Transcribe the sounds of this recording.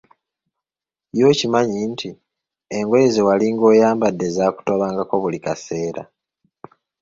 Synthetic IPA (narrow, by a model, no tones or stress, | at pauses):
jo̞ːcimaɲiːntʰi | e̞ŋɡwe̞ːzewaliŋɡo̞ːjaːmbadːe̞zaːku̥to̞βaːŋɡako̞βulikase̞ːɾa̰